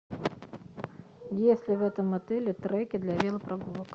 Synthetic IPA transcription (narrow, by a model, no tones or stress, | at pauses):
jesʲlʲɪvɛt̪ɐmːɐt̪ɛlʲɪt̪ɾɛkʲɪd̪lʲɐvʲelˠɐpɾʔɐɡulˠək